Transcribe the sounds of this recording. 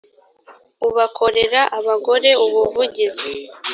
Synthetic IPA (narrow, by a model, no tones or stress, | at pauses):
uβakʰo̞ɾe̞ɾaʔaβaɡo̞ɾe̞uβuvuɟizi